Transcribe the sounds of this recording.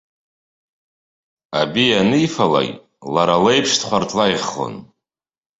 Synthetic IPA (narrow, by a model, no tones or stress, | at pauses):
abianɨjfala̰ɡʲ | laɾalejpʰʂtʰχʷartʰlajχo̰n